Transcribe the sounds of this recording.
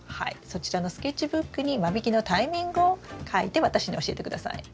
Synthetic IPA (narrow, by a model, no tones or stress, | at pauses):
ha̰ḭso̞t͡ɕiɾano̞sɨ̥ket͡ɕːibɯ̟kːɯ̟ɲ̟imabʲikʲino̞t̪aimʲĩŋɡɯokʰaḭt̪e̞βat̪aɕiɲ̟io̞ɕie̞t̪e̞kɯ̟d̪asa̰ḭ